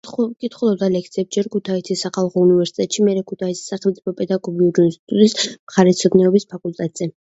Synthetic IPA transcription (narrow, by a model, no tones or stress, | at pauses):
kʼit̪ʰχulˠɔd̪alɛk̚t̪sʰiɛpsd͡ʒɛɾkʰut̪ʰait̪ʰisaχalˠχɔunivɛɾsi̥t̪ʼɛt̪ʼʃimɛɾɛkʰut̪ʰait̪sʰi̥sːaχɛlmt̪sʼipʰɔpʼɛd̪aɡɔɡiuɾinst̪ʼit̪ʼut̪ʼismχaɾɛt̪sʰɔd̪nɛɔbispʰakʼult̪ʼɛt̪ʼz̥ɛ